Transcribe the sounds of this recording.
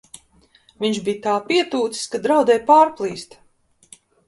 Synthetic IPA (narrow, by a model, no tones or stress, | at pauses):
viɲʒbijt̪aːpiɛt̪uːt̪si̥skad̪ɾawd̪ɛjpaːɾplˠiːst̪